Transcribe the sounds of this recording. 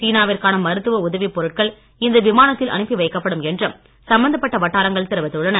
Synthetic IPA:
siːnaːʋɪɾkaːnɐmɐɾɯt̪ːɯʋɐʊðɐʋipːɔɾɯʈ̚kɐɭ | ɪnd̪ɐʋɪmaːnɐt̪ːɪlʔɐ̰ɳɯpːiʋɐɪkːɐpːɐɽɯmɛndrɯm | sɐmbɐnd̪ɐpːɐʈːɐʋɐʈːaːɾɐŋɡɐɭt̪ɪɾɯʋɐt̪ːɯɭːɐnɐ

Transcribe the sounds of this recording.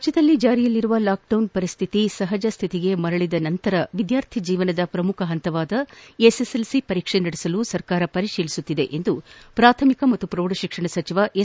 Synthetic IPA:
ɐt͡ʃɐd̪ɐlːid͡ʒaːɾijɐlːiɾuʋɐlaːk̚ɖɐwnpɐɾist̪ʰit̪isɐɦɐd͡ʒɐst̪ʰit̪iɡe̞mɐɾɐɭid̪ɐnɐnt̪ɐɾɐʋid̪jaːɾt̪ʰid͡ʒiːʋɐnɐd̪ɐpɾɐmukʰɐɦɐnt̪ɐʋaːd̪ɐeseselsipɐɾiːkʂenɐɽesɐlusɐɾkaːɾɐpɐɾiʂiːlisut̪ːid̪e̞ʔend̪upɾaːt̪ʰɐmikɐmɐt̪ːupɾoːɽɐʃikʂɐɳɐsɐt͡ʃiʋɐʔe

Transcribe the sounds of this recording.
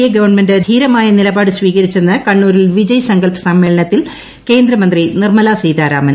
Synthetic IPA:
jɐɡɐʋɐrɳme̞ndɨd̪ʱiːɾɐmaːjɐnilɐbaːɽɨsʋiːɣɐɾit͡ɕːenːɐkɐɳːuːɾilʋid͡ʑɐjɐsɐŋɡɐlpɐ̥sɐmːe̞ːɭɐɳɐt̪ːil | ke̞ːnd̪ɾɐmɐnd̪rinirmɐlaːsijd̪aːɾa̰ːmɐn

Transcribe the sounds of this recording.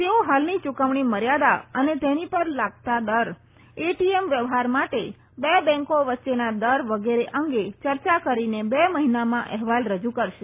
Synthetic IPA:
t̪eoɦalnit͡ʃukəʋɳ̃iməɾjad̪aənet̪enipəɾlaɡ̚t̪ad̪əɾ | eʈiemʋjəʋɦaɾmaʈe | bebɛ̃ŋkoʋətːʃenad̪əɾʋəɡeɾeʔəŋɡet͡ʃəɾt͡ʃakəɾinebeməɦinamãʔɛɦʋalɾəd͡ʒukəɾʃe

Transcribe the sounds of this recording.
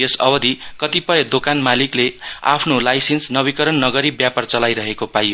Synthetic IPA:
jesʌbʌd̪ʱikʌt̪ipʌjed̪okanmaliklea̰pʰnolajsensnʌbikʌɾʌnːʌɡʌɾibjapart͡sʌlajɾʌɦekopajo

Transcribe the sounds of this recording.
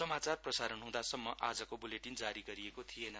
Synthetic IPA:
ʌmat͡sarprʌsaɾʌnɦũd̪asʌmːʌʔad͡zʌkobuleʈind͡zaɾiɡʌɾiekot̪ʰijenʌ

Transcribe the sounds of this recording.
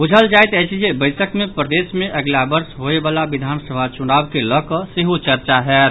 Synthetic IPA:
ud͡ʒʱəld͡ʒajt̪ɛt͡ʃiebəɪsəkmẽpɾəd̪eːsmẽʔəɡlabəɾsɦoebaːlaʋid̪ʱaːnsəbʱat͡ʃʊnaːbkeləkəsiɦut͡ʃəɾt͡ʃaɦɛː

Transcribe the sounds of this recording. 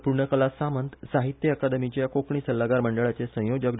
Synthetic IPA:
puɾɳəkəlasamənt̪saɦit̪jəːkad̪əmit͡ɕejakokɳisəlːaɡaɾməɳɖəɭat͡sesə̃jod͡ʑək

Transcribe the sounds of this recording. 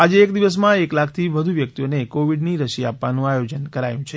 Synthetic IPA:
ad͡ʒeːkd̪iʋəs̬mãeklakʰt̪ʰiʋəd̪ʱuʋjək̚t̪ionekoʋiɖniɾəʃiapʋanũajod͡ʒənkəɾajũt͡ʃʰe

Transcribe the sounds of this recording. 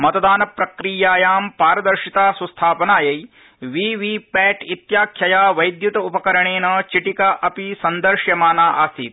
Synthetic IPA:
mɐt̪ɐd̪aːnɐpɾɐkɾiːjaːjaːmpaːɾɐd̪ɐɾʃit̪aːsɐst̪ʰaːpɐnaːjɐj | ʋiːʋipɛːʈit̪jaːkʰjɐjaːʋɐjd̪jut̪ɐupɐkɐɾɐɳeːnɐt͡ʃiʈikɐʔɐpisɐnd̪ɐɾʃjɐmaːnaːʔaːst̪iːt̪̚

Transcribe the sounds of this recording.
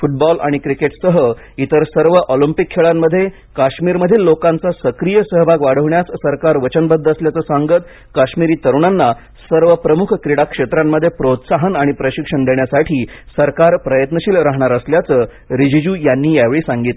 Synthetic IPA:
fuʈ̚bɔla̰ɽ̃ikɾikeʈsəɦə | it̪əɾsəɾʋəʔɔlimpikʰːeɭamːəd̪ʱːje | kaɕmiːɾməd̪ʱiːlːokãnt͡sasəkɾijəsəɦbʱaɡʋaɽ̤əʋɳjassəɾkaɾʋət͡ɕənbəd̪ʱːəsljat͡səːsaŋɡət̪̚ | kaɕmiɾiːt̪əɾuɳanːa | səɾʋəpɾəmukʰkɾiɽakʂet̪ɾamːəd̪ʱːjepɾot̪saɦənaɽ̃ipɾəɕikʂəɳd̪eɳjasaʈʰiːsəɾkaɾpɾəjət̪nəɕiːlɾaɦɳaɾəsljat͡səː | ɾid͡ʑid͡ʑuːjanːiːjaʋeɭiːsãŋɡit̪

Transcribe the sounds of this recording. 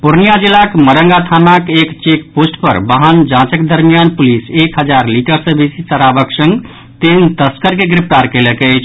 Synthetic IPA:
puɾnijad͡ʒilakməɾəŋɡat̪ʰanakekt͡ʃekposʈpə̰ɾbaɦand͡ʒãt͡ʃəkd̪əɾmijanpulisekɦəd͡ʒaɾliʈəɾsə̃besisəɾabəksə̃ŋɡ | t̪int̪əskəɾkeɡɾip̚ʰʈaɾkelekət͡ʃʰ

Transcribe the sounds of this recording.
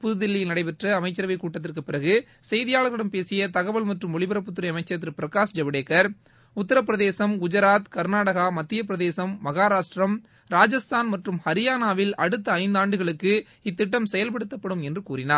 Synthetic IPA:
pʊðɯðɪlːɪjɪlnɐɽɐɪpɛʈrɐɐmɐɪt͡ʃːɐɾɐʋɪkːuːʈːɐt̪̬ːɪrkɯpːɪɾɐɣɯ | sɛjðɪjaːɭɐɾɐɽɐmpeːsɪjɐt̪ɐɣɐʋɐɭmɐʈrɯmɔɭɪbɐɾɐp̬ːʊt̪ːɯɾɐɐmɐɪt͡ʃːɐt̪ːɪɾɯpɪɾɐkaːsd͡ʒɐʋɪɽeːkːɐɾ | ʊt̪ːɐɾɐp̬ːɪɾɐðeːsɐmʊd͡ʒɐɾaːt̪kɐɾnaːɽɐɣamɐt̪ːɪjɐp̬ɪɾɐðeːsɐmːɐɣaːɾaːʂʈrɐm | ɾaːd͡ʒɐst̪ʰaːnmɐʈrɯmhɐɾɪjaːnaːʋɪlʔɐɽɯt̪ːɐɐɪnd̪aːɳɖɯɣɐɭɯkːɯ | ɪt̪ːɪʈːɐmsɛjɐlpɐɽɯt̪ːɐpːɐɽɯmɛndrɯkuːɾɪnaːɾ

